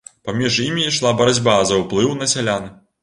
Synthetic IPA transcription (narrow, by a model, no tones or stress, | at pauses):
pamʲiʐimʲiʂlˠabɐɾad͡zʲbazɐwplˠɨwnɐsʲalʲan